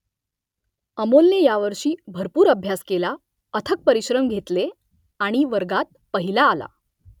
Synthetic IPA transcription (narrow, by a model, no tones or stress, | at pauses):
əmolnejaʋəɾʂiːbʱəɾpuːɾəbʱjaskela | ət̪ʰək̚pəɾiɕɾəmɡʱet̪le | aɽ̃iʋəɾɡat̪̚pəɦilaːla̰